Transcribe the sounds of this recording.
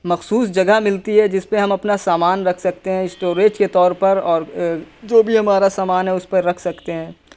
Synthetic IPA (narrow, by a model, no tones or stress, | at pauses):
mɐxsuːsd͡ʒɐɡamɪlt̪iɦɛd͡ʒɪspeɦɐ̃mɐpnasaːmaːnɾɐkʰsɐkt̪eɦɛ̃ɪsʈoːɾeːd͡ʒket̪ɔːɾpɐɾɔːɾd͡ʒoːbʱiɦɐmaːɾasaːmaːnɦɛʊspɐɾɐkʰsɐkt̪eɦɛ̃ː